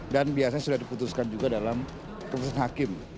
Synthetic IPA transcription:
danbiasaɲasudahdiput̪uskand͡ʒuɡadalam | kəpəsanɦakɪm

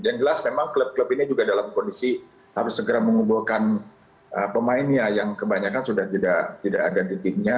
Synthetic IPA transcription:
dand͡ʒəlasmemaŋkələp̚kləpinid͡ʒuɡadalamkondisi | haɾʊsːəɡəɾaməŋubulkan | ʔəpəmaɪnjajaŋkəbaɲakansudaht̪idaʔt̪idaʔadadit̪ɪmɲa

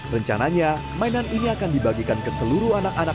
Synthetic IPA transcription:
rəɲt͡ʃa̰naɲa | mainaniniakandibaɡikankəsəluɾuanakana

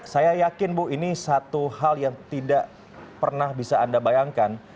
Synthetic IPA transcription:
sajajakɪnbʊhinisat̪uhaljaŋt̪idaʔ | pərnahbisaːndabajaŋkan

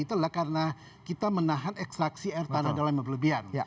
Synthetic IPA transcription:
it̪ulahkaɾəna | kit̪amənaɦanɛksaksiairt̪anadalaməbləbian

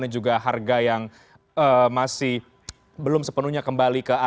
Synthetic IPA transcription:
nad͡ʒuɡaɦarɡajaŋ | əmasɪh | bəlʊmsəpənuɲakəmbalikəa

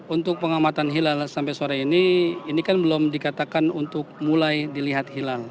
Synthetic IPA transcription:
unt̪ʊk̚pəŋamat̪anɦilalsampajsoaɾainiːnikanbəlɔmdikat̪akanunt̪ʊk̚mulajdiliɦat̪̚hilal

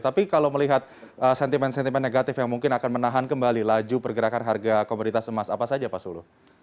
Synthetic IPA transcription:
t̪apikalawməliɦat̪̚ | əsɛnt̪imɛnsɛnt̪imɛnːeɡat̪ɪfjaŋmuŋkɪnakanmənaɦankəmbalilad͡ʒupərɡəɾakanɦarɡakomunit̪asəmasapasad͡ʒapasulṵ

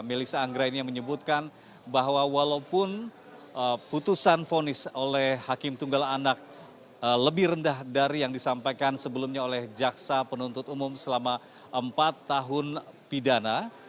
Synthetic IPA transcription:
melisaːŋɡɾainijaŋməɲəbut̪̚kan | baɦwawalaupʊn | ʔəput̪usanfonɪsolɛhhakɪmt̪uŋɡalanak̚ | ələbɪhrəndahdaɾijaŋdisampajkansəbəlumɲaolɛhd͡ʒaksapənunt̪ʊt̪umʊmsəlama | ʔəmpat̪ːaɦʊnpidana

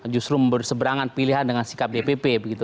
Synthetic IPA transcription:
d͡ʒust̪ɾumbərsəbəɾaŋanpiliɦandəŋansi̥kap̚depepebəɡit̪u

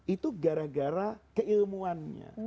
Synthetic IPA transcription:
it̪uɡaɾaɡaɾakəilmuanɲa̰

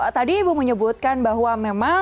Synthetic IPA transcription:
t̪adiːbuməɲəbut̪̚kanbaɦwamema

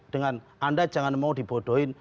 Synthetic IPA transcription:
tiŋanandat͡ʃaŋanmatipotoin

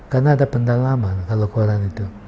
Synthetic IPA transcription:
kanadapandalamankalokoɾanit̪u

